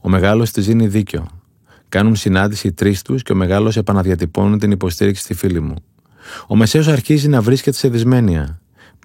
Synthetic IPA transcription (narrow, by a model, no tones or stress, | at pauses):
o̞me̞ɣɐlo̞st̪iziniðiceo̞̰ | kɐnunsinɐnd̪isit̪ɾist̪usce̞o̞me̞ɣɐlo̞se̞pɐnɐðʝɐt̪ipo̞nunt̪inipo̞st̪iɾiksi̥t̪ifilimṵ | o̞me̞se̞o̞sɐɾçizinɐvɾiscet̪e̞se̞ðizme̞niɐ̰